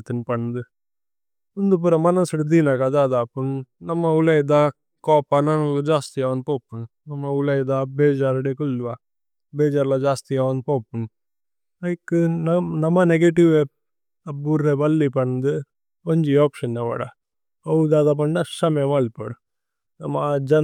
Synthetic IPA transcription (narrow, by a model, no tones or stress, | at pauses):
t̪ːɐnpɐɳːd̪ɯ | ʊnd̪up̬uɾɐmɐnɐsɽd̪iːnakad̪aːd̪aːpunnɐmːɐʊlɐjd̪aː | koːpːaːnanɐmɐkːɯd͡ʒaːst̪ijaːʋɐnd̪poːpːuɳ | nɐmːɐʊlɐjd̪aːbeːd͡ʒaːɾɐɽekʊlːʋaː | beːd͡ʒaːɾlad͡ʒaːst̪ijaːʋɐnd̪poːpːun | ɐkːɨnɐnɐmːɐneɡeʈiʋe | ɐbuɾːebɐlːipɐɳnd̪ɨ | ɐɲd͡ʒioːpʂɐnneʋɐ̰ɽa̰ | ɐʋud̪aːd̪aːp̬ɐɳnasɐmɐjɐmɐlpɐ̰ɽu | nɐmːɐd͡ʒɐ